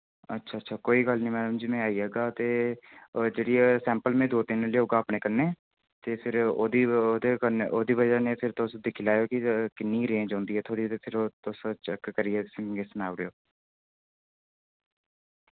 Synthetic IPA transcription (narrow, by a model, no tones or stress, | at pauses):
ə̰tːʃʰaːətːʃʰaːkoːiːɡəlnĩːmɛːləmd͡ʒimɛ̃aːiːɦɛːɡaːt̪eː | d͡ʒeːɽiːɛːsɛ̃ːmpəlmẽːd̪oːt̪ɪnleːɦoːɡaːpneːkənːeː | t̪eːpʰɪɾoːd̪iːoːd̪ekənʔoːd̪iːʋəd͡ʒaːnẽːpʰɪɾt̪ʊsd̪ɪkʰːlaːjoːkɪkɪnːiːɾẽːɲd͡ʒɦɔ̃ːnd̪iːɛːt̪ʰoːɽiːt̪eːpʰɪɾoːt̪ʊst͡ʃɛkːəɾɪɛːt̪ɪsɪɡeːsnaːʋɾejoː